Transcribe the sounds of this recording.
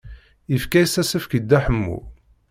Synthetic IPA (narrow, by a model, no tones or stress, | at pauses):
ifkæjsæsəfkəd̪ːæħəmːṵ